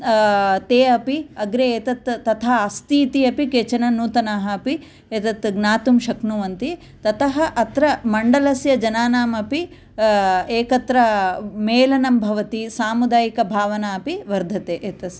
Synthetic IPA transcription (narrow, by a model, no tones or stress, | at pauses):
t̪eːɐpiɐɡɾeeːt̪ɐt̪ːɐt̪ʰaːɐst̪iːt̪iɐpikeːt͡ʃɐnɐnuːt̪ɐnaːɦɐːpi | eːt̪ɐt̪ɡnaːt̪umʃɐknuʋɐnt̪i | t̪ɐt̪ɐɦɐ̆ʔɐt̪ɾɐmɐɳɖɐlɐsjɐd͡ʒɐnaːnaːmɐpi | eːkɐt̪ɾɐmeːlɐnɐmbʱɐʋɐt̪isaːmud̪aːjikɐbʱaːʋɐnaːɐpiʋɐɾd̪ʱɐt̪eːʔeːt̪ɐs